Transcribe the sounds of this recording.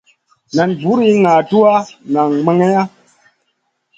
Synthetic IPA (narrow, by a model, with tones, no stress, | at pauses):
na˨nbu˨˦ɾi˦ŋa˨tu˦a˦ŋa˨ŋme˦ŋe˦ja˦